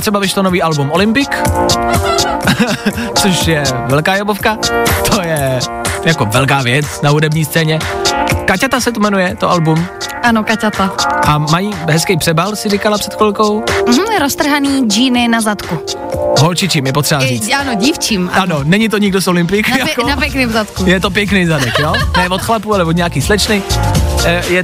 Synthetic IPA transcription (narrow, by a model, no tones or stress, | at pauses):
t̪r̥ɛbavɪʃlonoviːʔalbumʔolɪmpɪk | t͡soʃjɛvɛlkaːjobofkat̪ʰojɛjakovɛlkaːvjɛt͡snaɦudɛbɲiːst͡sɛːɲɛkacat̪asɛt̪umɛnujɛt̪oʔalbumʔanokacat̪aʔamajiːɦɛskɛjpr̥ɛbalsɪrikalapr̥ɛt̪kolkowm̩ɾost̪r̩ɦaniːd͡ʒiːnɪnazat̪ku | ɦolt͡ʃɪt͡ʃimjɛpot̪r̥ɛbariːt͡sanoɟiːft͡ʃiːmʔanonɛɲɪt̪̬oɲɪɡdosʔolɪmpɪjkjakonapɛknɪmzat̪kujɛt̪op̬jɛknejzadɛkjonɛvot̪xlapualɛvod̪ɲɛakiːslɛt͡ʃnɪ | jɛ